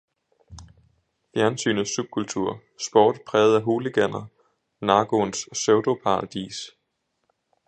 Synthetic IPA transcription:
fjæɐnsy̰ːnð̩ˠsub̥̚kʰult͡sʰuɐ̰ | sb̥ɒ̰ːd̥pʰʁɛːð̩ˠæɦo̝ːləɡ̥æn̰ɐ | nɑ̈ːɡ̥o̝nsːøʊd̥o̝pʰɑ̈ʁɑd̥ḭːs

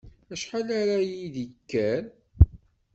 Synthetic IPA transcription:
æʃħalaɾajiðikːæn

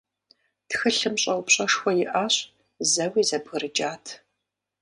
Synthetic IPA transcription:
txɨɬɨmɕʼɐwpɕʼɐʂxʷɔjɪʔaɕ | zɐwiːzɐbɣɨɾɨd͡ʒʼaːtʰ

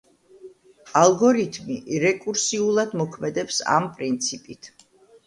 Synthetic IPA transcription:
alˠɡɔɾit̪ʰmiɾɛkʼuɾsiulˠad̪mɔkʰmɛd̪ɛpsa̰mpʼɾint̪sʰipʼit̪ʰ

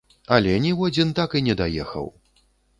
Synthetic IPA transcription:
ɐlʲɛnʲiwad͡zʲint̪akinʲɛd̪ajɛ̰xɐ̰w

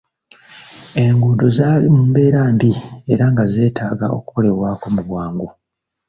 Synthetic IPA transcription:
e̞ŋɡuːdo̞zaːlimuːmbe̞ːɾaːmbie̞ɾaŋɡaze̞ːtʰaːɡa̰o̞̰kuko̞le̞waːko̞muβwaːŋɡu

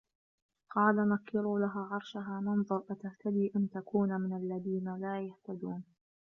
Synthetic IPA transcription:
qɑːlamakːɪɾuːlaɦaːʕɑɾˤʃaɦaːmɪnðˤʊɾˤʔat̪aht̪ad̪iːʔant̪akuːnmɪnalːaðiːnalaːjaht̪ad̪uːn

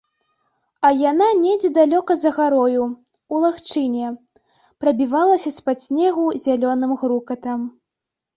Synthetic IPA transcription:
ɐjananʲɛd͡zʲɛd̪alʲɔkɐzɐɣaɾɔju | ulˠaxt͡ʂɨnʲɛ | pɾɐbʲivalˠɐsʲɐspasʲnʲɛɣuzʲalʲɔnɨmɣɾukɐt̪ɐm

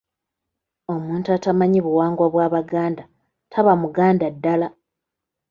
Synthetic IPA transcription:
o̞muːntuatamaɲiβuwaːŋɡwaβwaːβaɡaːnda | tʰaβamuɡaːndadːala

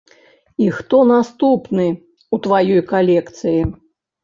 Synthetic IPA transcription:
ixt̪ɔnast̪upnɨ | ut̪vajɔjkalʲɛkt̪sɨji

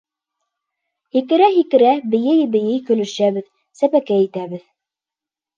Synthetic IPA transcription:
hikɘ̆ɾæɦikɘ̆ɾæbɘ̆jɘjbɘ̆jɘjkɵ̆lɵ̆ʃæβɘð | sæpækæit̪æβɘð

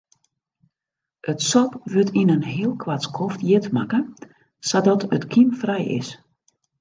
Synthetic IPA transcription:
ʔətsɔpʋøtinənɦiəlˠkʰwatskʰɔftjɪtma̰kə | sadɔtʰətkʰimfrɛjɪ̰s

